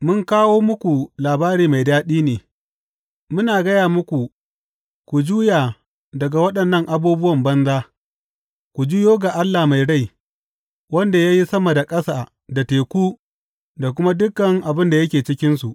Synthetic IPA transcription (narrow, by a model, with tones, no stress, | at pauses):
mʊ˦ŋkaː˦woː˦mʊ˦kʷu˨laː˨baː˦ɾiː˦ma˨jdaː˦ɗiː˦neː˨ | mʊ˦naː˨ɡɐ˦jaː˨mʊ˦kʷu˨ | kʷu˨d͡ʒuː˦jaː˨ | dɐ˨ɡa˨wɐ˦ɗɐ˨nːɐ˦ŋʔa˨buː˦bʊ˦wɐ˨mbɐ˦nzaː˦ | kʷu˨d͡ʒuː˦joː˦ɡa˨ʔa˦lːa˨ma˨jɽa˦˨j | wɐ˦nda˨ja˦ji˦sɐ˦mɐ˨da˨kʼɐ˦saː˨ | da˨teː˨kʷuː˦ | da˨k̬ʷʊ˦ma˦dʊ˦kːɐ˨ŋʔa˨bɪ˦nda˨jɐ˦kʲeː˨t͡ʃɪ˦kʲɪ˦nsu˨ʔ